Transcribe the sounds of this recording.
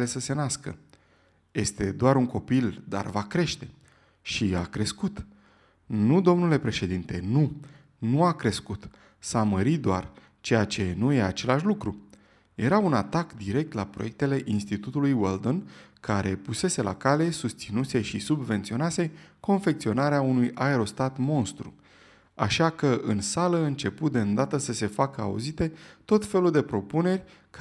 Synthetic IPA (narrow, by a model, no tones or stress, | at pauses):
lesəse̞naskə̰ | je̞st̪e̞d̪oaɾuŋko̞pild̪a̰rvakɾe̞ʃt̪e̞ | ʃiakɾe̞skut̪ | nud̪o̞mnule̞pɾe̞ʃe̞d̪int̪e̞nu | nuakɾe̞skut̪ | saməɾid̪oar | t͡ʃe̞jat͡ʃe̞nuje̞at͡ʃe̞laʃlukɾu | je̞ɾaunat̪akd̪iɾe̞k̚t̪lapɾo̞jek̚t̪e̞le̞ʔinst̪it̪ut̪ulujweld̪onkaɾʔe̞puse̞se̞la̰kale̞sust̪sinuse̞ʃisubve̞nt̪sio̞nase̞ko̞nfe̞k̚t̪sio̞naɾeaunujʔaeɾo̞st̪at̪mo̞nst̪ɾṵ | a̰ʃakəʔɨnsaləɨnt͡ʃe̞put̪̚d̪eɨnd̪at̪əsəse̞fakəaṵzit̪e̞t̪o̞t̪fe̞luld̪epɾo̞pune̞rʲ | k